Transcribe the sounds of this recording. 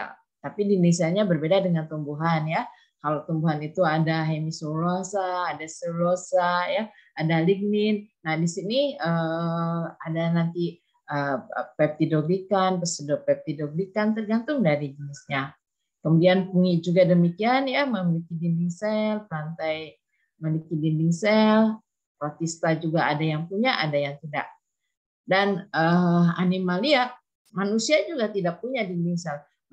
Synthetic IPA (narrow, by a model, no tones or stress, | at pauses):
ja̰ | t̪apidinisɛlɲabərbedadəŋant̪umbuɦanja | kalawt̪umbuɦanit̪uadaɦemisolaŋsaːdasəlosajaadaliɡ̚nɪnnahdisiniə | adanant̪i | əpɛp̚t̪idoɡlikanpəsədɔpɛp̚t̪idoɡlikant̪ərɡant̪ʊŋdaɾid͡ʒənɪsɲa | kəmudianpuŋid͡ʒuɡadəmikianjaməmilikidinbiŋsɛlpɾant̪aj | məlikibinbiŋsɛl | pɔt̪ist̪ad͡ʒuɡaadajaŋpuɲaʔadajaŋt̪ida̰ʔ | danəa̰nimalia | manusiad͡ʒuɡat̪idak̚puɲadindiŋsɛl